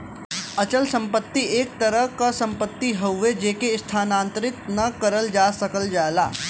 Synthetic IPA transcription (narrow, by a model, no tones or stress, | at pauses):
ɐt͡ʃəlsɐ̃mpət̪ːieːk̚t̪ɐɾəɦkasɐ̃mpət̪ːiɦɐwʋed͡ʒeːkeɪst̪ʰaːnãːnt̪ɾɪt̪nɐkɐɾəld͡ʒaːsɐkəld͡ʒaːlaː